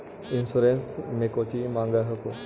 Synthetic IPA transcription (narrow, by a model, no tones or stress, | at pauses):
insuɾẽnsmẽkot͡ʃimãŋɡaɦəko